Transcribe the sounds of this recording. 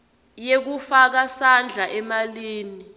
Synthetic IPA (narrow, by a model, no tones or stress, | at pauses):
jek̬ufak̬asand͡ɮʱaʔɛmaliːni